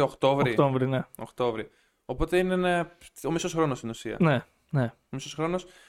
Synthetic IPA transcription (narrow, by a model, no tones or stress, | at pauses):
okt̪o̞vɾit̪ovɾineo̰kt̪o̞vɾi | o̞po̞t̪e̞ineneo̞misosxɾo̞nost̪inusiɐ̰ne | neomisosxɾo̞nos